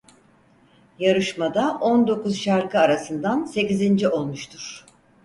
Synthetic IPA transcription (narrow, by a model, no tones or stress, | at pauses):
jaɾɯʃmad̪aʔo̞nd̪o̞kuzʃaɾkɯaɾasɯnd̪anse̞cizind͡ʒiʔo̞lˠmuʃt̪ʰuɾ̥